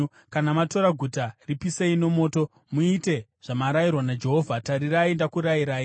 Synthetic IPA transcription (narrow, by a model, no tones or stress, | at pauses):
kanamato̞ɾaɡʱutaripiseino̞mo̞ːto̞ | muite̞ʐ̥amaɾajirwanad͡ʒe̞ɦo̞vʱataɾiraindakuɾajiɾaːi